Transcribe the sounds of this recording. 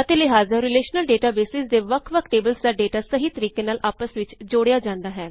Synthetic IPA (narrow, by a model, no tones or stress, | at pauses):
ət̪eːlɪɦaːzaːɾɪleːʃnəlɖeːʈaːbeːsɪsd̪eːʋəkʰʋəkʰʈeːbəlsəɖeːʈaːsəɦiːt̪əɾiːkeːnaːlʔaːpəsʋɪt͡ʃd͡ʒoːɽejaːd͡ʒãːnd̪aːɦɛː